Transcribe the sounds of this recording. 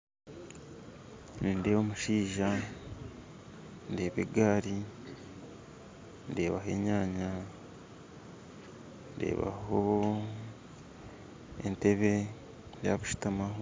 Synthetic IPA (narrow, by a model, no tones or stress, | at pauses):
ninde̞ːβomuʃiːʒa | nde̞ːβeɡaːɾi | ndeːβaɦe̞̰ːɲaːɲa | nde̞̰ːβa̰ho | ḛnteβe | jaβuʃi̥tamaɦo